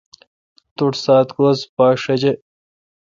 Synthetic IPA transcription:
t̪uʈsaːt̪koːspaːʂɐd͡ʑe

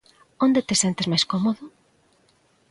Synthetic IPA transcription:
ond̪et̪esent̪ezmajskomoðʊ

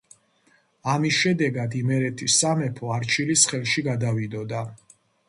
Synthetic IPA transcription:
amisʃɛd̪ɛɡad̪imɛɾɛt̪ʰisːamɛpʰɔaɾt͡ʃʰilisχɛlˠʃiɡad̪avid̪ɔd̪a

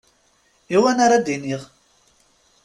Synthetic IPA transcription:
iwænaɾad̪iniʁ

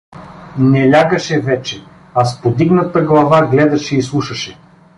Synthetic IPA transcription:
nɛlʲaɡəʃɛvɛt͡ʃɛ | aspod̪iɡnɐt̪əɡlˠɐvaɡlɛd̪ɐʃɛislˠuʃɐʃɛ

